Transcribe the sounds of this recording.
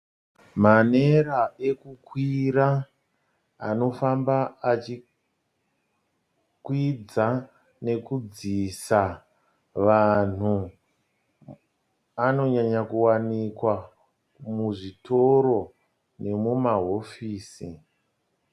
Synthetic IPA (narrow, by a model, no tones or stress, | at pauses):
maneɾae̞kukwira | ano̞fambaat͡ʃi | kwid͡za | ne̞kud͡zisa | ʋan̤u | ano̞ɲaɲakuwanikwa | muʐito̞ɾo̞ | ne̞mumaɦo̞fiːsi